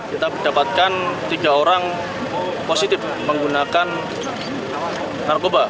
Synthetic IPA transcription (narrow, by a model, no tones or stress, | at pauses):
kit̪abidapat̪̚kant̪iɡaoɾaŋ | posit̪ɪf | məŋɡunakan | narkoba